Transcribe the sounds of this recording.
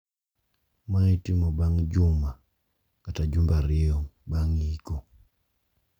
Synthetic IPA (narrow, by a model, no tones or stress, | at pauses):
maitimɔbaŋd͡ʒuma | katad͡ʒumbaɾiɔbaŋikɔ